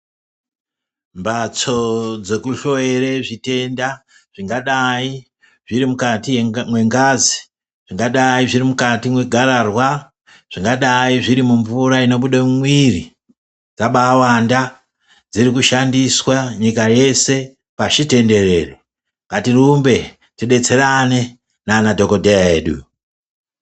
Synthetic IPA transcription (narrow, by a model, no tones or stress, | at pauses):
mbat͡so̞d͡ze̞kuʃoeɾeʐite̞nda | ʐ̥iŋɡaɗai | ʐiɾimukatimwe̞ŋɡaːzi | ʐ̥iŋɡaɗaiʐirimukatimweɡʱararwa | ʐ̥iŋɡaɗaiʐiɾimuɱvuɾaino̞ɓuɗamumwiri | d͡zaɓawanda | d͡zirikuʃandiswaɲikaje̞se̞ | paʃite̞nde̞re̞ːro | katirumbe̞ | tiɗe̞t͡se̞rane̞ | naːnadʱo̞ko̞dʱejaeːɗṵ